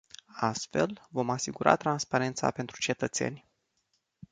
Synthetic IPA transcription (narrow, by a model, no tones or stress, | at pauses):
ast̪fe̞lvo̞masiɡuɾa̰t̪ɾanspaɾe̞nt̪sa̰pe̞nt̪ɾut͡ʃe̞t̪ət̪se̞̰nʲ